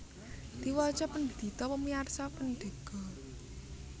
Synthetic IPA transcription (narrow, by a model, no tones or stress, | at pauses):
d̪̥iwɔt͡ʃɔpənd̪̥i̤t̪ɔpəmiarsapənɖ̪̥e̤ɡ̥ɔ